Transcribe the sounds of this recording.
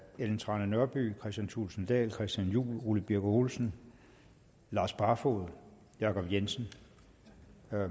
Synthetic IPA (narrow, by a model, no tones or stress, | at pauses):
eln̩t͡sʰʁɑ̈ːnənɶɐb̥y̰ːkʰʁɛsd̥jænt͡sʰulsn̩d̥ɛ̰ːlkʰʁɛsd̥jænjṵːlʁulib̥iɐɡ̥oholsən̩ | lɑ̈ːsb̥ʁɑ̈fo̝̰ð̞̩ˠ | jɑ̈kʰɒ̽b̥jensən̩